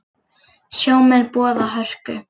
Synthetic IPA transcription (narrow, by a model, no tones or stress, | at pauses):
sjoːwmɛlpɔːðaɦœr̥kʏ